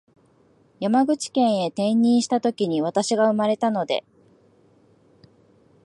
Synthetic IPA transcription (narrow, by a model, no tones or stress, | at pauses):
jamaɡɯ̟t͡ɕi̥kẽ̞ɰ̃e̞t̪ẽ̞ɲːĩɰ̃ɕi̥t̪at̪o̞kʲiɲ̟iβ̞at̪aɕiɡaɯ̟maɾe̞t̪ano̞d̪e̞̰